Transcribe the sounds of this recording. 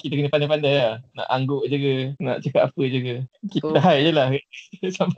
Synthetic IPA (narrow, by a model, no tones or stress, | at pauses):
kit̪akənəpandapandajanã̰ʔaŋɡʊʔd͡ʒuɡənã̰ʔt͡ʃəkat̚apəd͡ʒuɡəkit̪aɦajʔd͡ʒəlahsam